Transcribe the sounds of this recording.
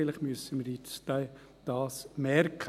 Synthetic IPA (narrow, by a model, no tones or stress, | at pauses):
ləχmyəsəməɾɪtstaɪ | d̥ɑːsmɛrkʰ